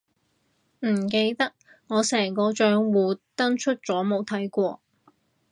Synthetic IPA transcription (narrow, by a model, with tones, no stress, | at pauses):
m̩˨˩ke˧jt̪ɐ˥k̚ | ŋɔː˨˧sɛː˨˩ŋkɔː˧t͡ʃœː˨˥ŋwuː˨˧t̪ɐ˥ŋt͡ʃʰɵ˥t̚t͡sɔː˨˥mo˨˧wt̪ʰɐ˨˥jkʷɔː˧